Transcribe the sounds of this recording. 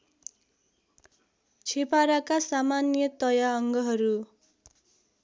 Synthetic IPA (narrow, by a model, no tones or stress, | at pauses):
t͡sʰepaɾakasamanjʌt̪ʌjaʌŋɡʌɦʌɾu